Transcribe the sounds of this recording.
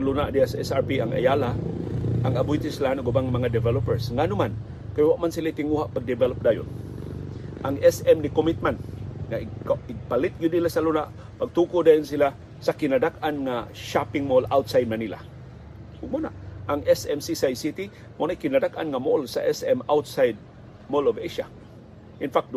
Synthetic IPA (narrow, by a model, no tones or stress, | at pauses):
lunaʔd̪iasaɛsaɹpiaŋʔa̰jalaʔaŋabʊjt̪ɪslaanaɡubaŋamɐŋad̪ɛvɛlopɛɹsŋanʊman | kajwaʔmansilait̪ɪŋuhaʔpaɡ̚d̪ɪbɛlop̚d̪aːjʊ̰n | ʔaŋɛsɛmnɪkomit̪̚mɛnt̪̚ŋaɪkaɪɡ̚palɪt̪̚ɡʊd̪ilasalunaʔ | paɡ̚t̪ukod̪aːjʊnsila | sakɪnadakanŋaʃapɪŋmolawt̪sajd̪̚nanila̰ | ʊɡ̚mona̰ʔʔaŋɛsɛmsisajsit̪i | monajkɪnadakʔanŋamolsa̰ʔɛsɛmawt̪sajd̪̚ | moloveʃa̰ | ʔɪnfak̚t̪